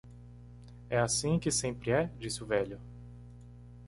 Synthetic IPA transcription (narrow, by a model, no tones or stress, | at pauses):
ɛasĩkɪsẽpɾɪɛd͡ʒisɪʊvɛʎʊ